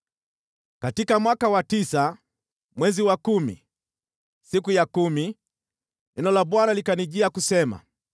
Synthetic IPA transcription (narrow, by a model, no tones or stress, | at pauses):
katikamwakawatisa | mwɛziwakumḭ | sikujakumi | inɔlaɓwanalikaniʄiakusɛma̰